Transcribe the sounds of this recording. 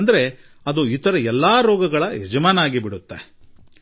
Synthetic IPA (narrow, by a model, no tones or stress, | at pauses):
nd̪ɐɾe̞ | ɐd̪uit̪ɐɾɐɛlːaːɾɔːɡɐɡɐɭɐɛd͡ʒɐmaːnaːɡibiɽut̪ːe